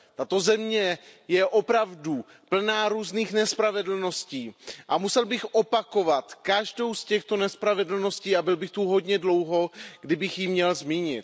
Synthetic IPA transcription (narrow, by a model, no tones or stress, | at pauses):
t̪at̪o̞zɛmɲɛjɛʔo̞pɾavdu | pl̩naːɾuːzniːxnɛspɾavɛdl̩no̞sciːʔamusɛlbɪxʔo̞pako̞vat̪kaʒdo̞wscɛxt̪o̞nɛspɾavɛdl̩no̞sciːabɪlbɪxt̪uɦo̞dɲɛdlo̞wɦo̞ɡ̥dɪbɪxjimɲɛlzmiːɲɪ̰t̪